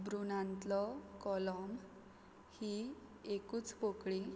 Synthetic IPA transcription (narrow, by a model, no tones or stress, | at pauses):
bɾunãnt̪lɔkɔlɔm | hiekuːt͡spokɭi